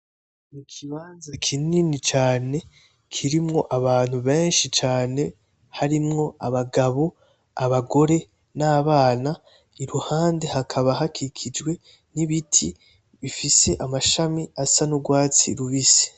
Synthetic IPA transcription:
mukʰiβaːnzakʰininit͡ʃaːne̞ | kʰiɾimŋo̞ʔaβaːn̥huβe̞ːnʃit͡ʃaːne̞ | haɾimŋo̞aβaɡaβo̞ | aβaɡo̞ɾe̞ | naːβaːna | iɾuhaːnde̞hakʰaβaɦakikʰid͡ʒwe̞ | niβitʰi | βifiseʔamaʃamiasanuɡwaːt͡siɾuβisi̥

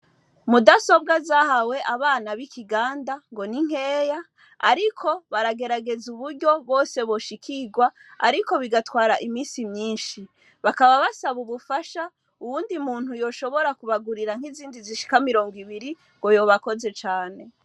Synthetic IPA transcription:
mudaso̞b̚ɡazahawe̞ʔaβaːnaβikʰiɡaːndaŋɡo̞niŋ̥he̞ːja | aɾikʰo̞βaɾaɡe̞ɾaɡe̞zuβuɾɟo̞βwo̞ːse̞βo̞ʃikʰiɡwaa̰ɾiko̞βiɡatwaːɾaʔimiːsimɲiːnʃi | βakaβaβasaβuβufaʃa | uβuːndimuːn̥hujo̞ːʃo̞βo̞ɾakuβaɡuɾiɾaŋ̥iziːndiziʃi̥kamiɾo̞ːŋɡwiβiɾi | ŋɡo̞jo̞ːβako̞ze̞t͡ʃaːne̞

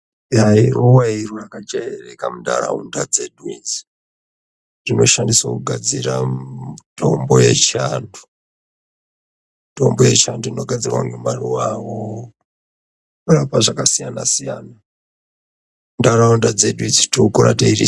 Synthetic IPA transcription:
jairuwairurakad͡ʒeerekamunda̰ra̰ṵndad͡zedwizi̥ | rino̞ʃandiswakuɡʱad͡zira | tʰombojet͡ʃandu̥ | tombojet͡ʃanduino̞ɡʱad͡zirwa̰ŋɡumaruwawo | urapaʐakasijanasijaːna | undaɾaundad͡zedwinzitoukoɾateiri

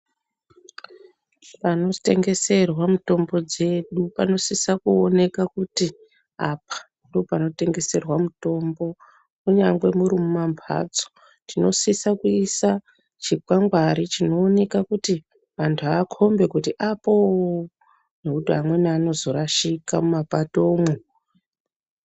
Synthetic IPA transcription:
pano̞te̞ŋɡe̞se̞rwamuto̞mbo̞d͡ze̞ɗupano̞sisakuone̞kakuti | apḁ | ndopano̞te̞ŋɡe̞se̞rwamuto̞mbo̞ | kuɲaŋɡwe̞muɾumumambʱa̰ːd͡zo̥ | tʰino̞sisakuisa | t͡ʃikwaŋɡwaɾit͡ʃino̞ːne̞kakuti | ʋantʰuaːkʰo̞mbe̞kutiʔapo | nekutuɦamwe̞naaːno̞zo̞ɾaʃikamumapatoːmwu

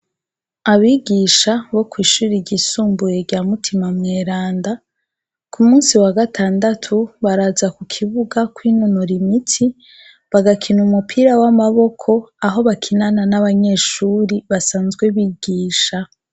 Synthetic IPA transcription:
aβiɡiʃaβo̞kwiːʃuːɾiɟisuːmbuje̞ɾɟaːmutʰimamŋeːɾaːnda | kʰumuːnsiwaɡatʰaːndatʰuβaɾazakukʰiβuɡakwiːnonoɾimitʰi | βaɡakʰinumupʰiːɾawamaβo̞kʰo̞aɦo̞βakʰinananaβaɲe̞ːʃuːɾiβasaːnzɡwe̞βiːɡ̥iːʃa

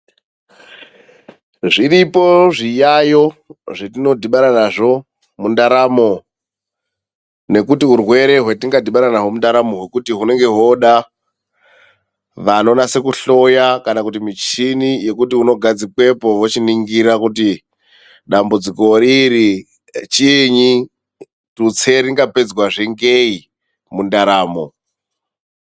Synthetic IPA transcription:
ʐiripo̞ʐijajo̞ʐetino̞dʱiɓaɾanaʐo̞ | mundaɾamo̞ | ne̞kutiurwe̞ɾe̞ɦwe̞tiŋɡadiɓaɾanaɦomundaɾamo̞ɦwe̞kutiɦune̞ŋɡe̞ɦo̞ɗa | ʋano̞nase̞kuɬo̞jakanakutimit͡ʃinije̞kutiuno̞ɡʱad͡zikwe̞po̞wot͡ʃiniŋɡiɾakuti | ɗambud͡ziko̞ɾiɾi | t͡ʃiɲi | tut͡sʰe̞ɾiŋɡape̞d͡zwaʐe̞ŋɡei | mundaɾaːmo̞̰

